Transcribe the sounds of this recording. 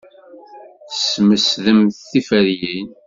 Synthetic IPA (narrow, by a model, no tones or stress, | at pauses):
θəsməsðəmθθifəɾjin